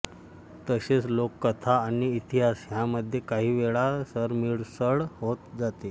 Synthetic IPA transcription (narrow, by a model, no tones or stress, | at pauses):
t̪əɕet͡slokːət̪ʰaːɽ̃iːt̪iɦasɦjaməd̪ʱjekaɦiːʋeɭasəɾmiɭsəɭɦot̪d͡zat̪e